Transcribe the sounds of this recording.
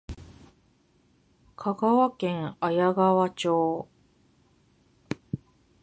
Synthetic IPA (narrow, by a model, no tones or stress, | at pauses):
kʰaɡaβakẽ̞ŋajaɡaβat͡ɕoː